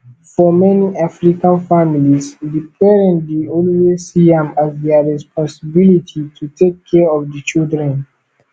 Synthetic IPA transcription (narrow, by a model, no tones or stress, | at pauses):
fɔmɛniʔafɹikãnfamilisdipʰɛɹɛ̃nliolwesiɛ̃mazdɛɹɛspʰɔ̃səbilitʰitʰutʰekʰːɛɔvdət͡ʃildɹɛ̃n